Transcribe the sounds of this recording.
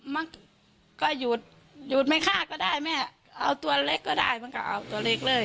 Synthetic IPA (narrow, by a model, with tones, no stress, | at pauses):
ma˧˥˨n | kɔː˧˩juː˨˩t̪̚ | juː˨˩t̪̚ma˧˥˨kʰaː˧˥˩kɔː˧˩daː˥˩jmɛː˧˩ | ʔa˧wt̪u˧ɐle˦˧˥kːɔː˧˩da̰ː˧˥˩jma˧˥˨ka˧˩ʔa̰˧˩wt̪u˨˧˩ɐle˧˥˩k̚lɤː˧˩˨j